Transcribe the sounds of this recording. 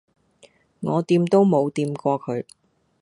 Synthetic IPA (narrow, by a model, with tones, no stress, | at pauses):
ŋɔː˨˧t̪iː˧mt̪o˥wmo˨˧wt̪iː˧mkɔː˧kʰɵ˨˧ɥ